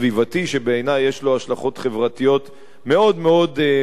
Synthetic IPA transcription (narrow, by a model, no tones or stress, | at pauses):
vivat̪iʃe̞beenajːe̞ʃlo̞aʃlaχo̞t̪χe̞vʁat̪ijo̞t̪ | me̞o̞d̪meo̞d̪